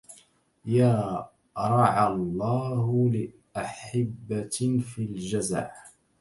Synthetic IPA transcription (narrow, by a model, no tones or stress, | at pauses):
jaː | ɾˤɑʕalˤːɑːhlɪ | ʔaħabːafiːld͡ʒaza̰ʕ